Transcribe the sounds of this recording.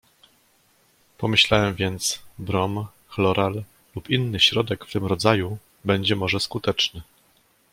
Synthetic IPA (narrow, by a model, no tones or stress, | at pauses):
pɔmɘɕlawɛmvʲjɛnt̪sbɾɔm | xlɔɾʔal | lupinːɘɕɾɔd̪ɛkft̪ɘmɾɔd̪zaju | bɛɲd͡ʑɛmɔʐɛskut̪ɛt͡ʂnɘ